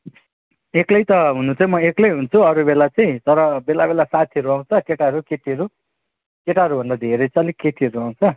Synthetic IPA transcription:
eklʌjt̪ʌɦunũt͡sʌĩmʌeklejɦunt͡sʰuʌɾubelat͡saĩt̪ʌɾʌbelabelasat̪ʰiʌɾuaw̃t͡sʰʌkeʈaʌɾukeʈiʌɾu | keʈaɦʌɾubʱʌnd̪ad̪ʱeɾʌjt͡salikeʈiʌɾuaw̃t͡sʰʌ

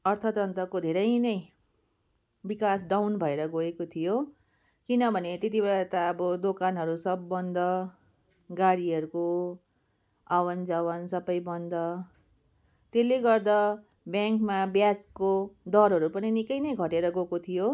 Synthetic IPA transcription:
ʌrt̪ʰʌt̪rʌnt̪ʌkod̪ʱeɾʌjnʌj | bikasɖawnbʱʌeɾʌɡoekot̪ʰijo | kinʌbʱʌnet̪et̪ibeɭat̪aːbʌd̪okanɦʌɾusʌbːʌnd̪ʌ | ɡaɽiɦʌɾuko | awʌnd͡zʌwʌnsʌbʌjbʌnd̪ʌ | t̪eleɡʌrd̪ʌ | bjaŋkmabjad͡zkod̪ʌɾɦʌɾupʌninikʌjnʌjɡʱʌʈeɾʌɡokot̪ʰijo

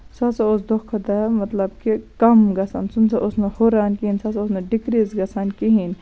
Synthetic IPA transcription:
sɐsɐos̬d̪okʰːɐd̪amɐt̪lɐb̚kikɐmɡɐsa̰ːnsunsʰɐʔʊsnehoɾaːnkiinsɐsaʊsnɐɖikɾizɡɐsaːnkiɦin

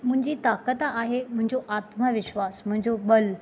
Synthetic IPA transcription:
m̤ə̃ɦɲd͡ʑiːt̪akət̪aaɦeməɦə̃ɲd͡zoʔat̪məʋɪɕʋasm̤ə̃ɲd͡zobəl

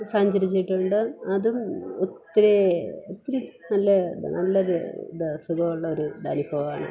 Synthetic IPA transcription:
saːɲd͡ʑɐɾit͡ɕːiʈːuɳɖɨɐðumot̪ːiɾeot̪ːɾɐnɐlːɐnɐlːɐɾd̪ɐsuɡɐuɭːɐo̞ɾud̪a̰ːnipoːa̰ːɳɨ̰

